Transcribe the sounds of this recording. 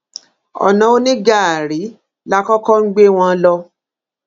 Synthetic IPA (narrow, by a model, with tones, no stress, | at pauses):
ɔ̰˨nã˨˦o˦nĩ˦ɡa˦˨ɾi˨˦ | la˦kɔ˦kɔ˦ŋ̩˦ɡ͡be˦w̃ɔ̃˧˦lɔ˧